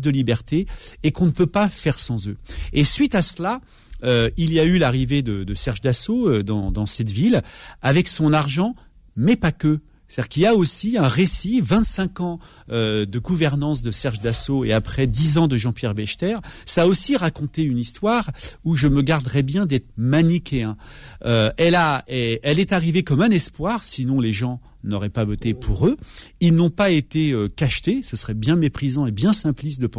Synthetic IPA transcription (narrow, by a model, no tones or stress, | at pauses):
d̪əlibɛʁt̪eːkɔ̃nəpøpafɛʁsɑ̃zøesɥit̪asla | øilijaylaʁived̪əd̪əsɛʁʒd̪asoød̪ɑ̰̃d̪ɑ̃sɛt̪vilavɛksɔ̃naʁʒɑ̃ | mɛpakʲø | st̪d̪iʁkiljaosiɛ̃ʁesivɛ̃t̪sɛ̃kɑ̃ | ød̪əɡuvɛʁnɑ̃sd̪əsɛʁʒd̪asoeapχɛd̪izɑ̃d̪əʒɑ̃pjɛʁbɛʃt̪ɛʁsaːosiʁakɔ̃t̪eynist̪waʁuʒəməɡaʁd̪ʁɛbjɛ̃d̪ɛt̪χmanikeɛ̃øɛlaɛɛlɛt̪aʁivekɔmɛ̃nɛspwaʁsinɔ̃leʒɑ̃ | nɔʁɛpavɔt̪epʰuʁøilnɔ̃paet̪eøkaʃt̪esəsʁɛbjɛ̃mepχizɑ̃ebjɛ̃sɛ̃plis̬d̪əpɑ̃